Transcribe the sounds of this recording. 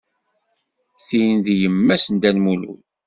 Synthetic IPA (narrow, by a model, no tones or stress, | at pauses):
θijnd̪jəmːæsənd̪ænmulṵl